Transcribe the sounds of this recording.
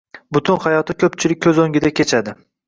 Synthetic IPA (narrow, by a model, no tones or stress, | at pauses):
bʊt̪ʰʊnχajɒt̪ʰɪkʲʰɵpt͡ʃʰɪlɪk̚ʲʰːɵzoŋɡʲɪd̪akʲʰe̞t͡ʃʰad̪ɪ